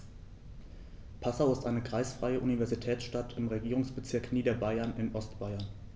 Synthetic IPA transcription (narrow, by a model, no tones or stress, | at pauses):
pʰasaʊɪstʔaɪnəɡʁ̥aɪsfʁ̥aɪəʔunivɛɐzitʰɛːt͡sʃtatʰɪmʁeɡiːʁʊŋsb̥ət͡sɪɐkniːdɐbaɪɐnɪnʔɔstb̥aɪɐn